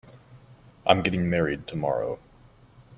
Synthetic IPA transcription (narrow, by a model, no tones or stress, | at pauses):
ʔã̰ɪ̃mɡɛɾɪ̃ŋmɛɹid̚tʰəmɑ̰ɹo̰ʊ